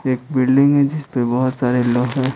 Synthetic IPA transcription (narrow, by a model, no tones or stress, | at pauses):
eːk̚bɪlɖɪ̃ŋɡɦɛ̃d͡ʒɪspebɔɦʊt̪saːɾeloːɡɦɛ̃ː